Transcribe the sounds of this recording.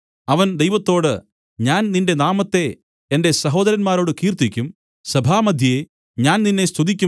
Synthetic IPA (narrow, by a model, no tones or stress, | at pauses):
ɐʋɐnd̪ejʋɐt̪ːo̞ːɽɨ | ɲaːnninde̞naːmɐt̪ːe̞ | ende̞sɐɦo̞ːd̪ɐɾɐnmaːɾo̞ːɽɨkiːrt̪ikʲːum | sɐbʱaːmɐd̪ʱjɐje | ɲaːnninːe̞st̪ʰud̪ikʲːu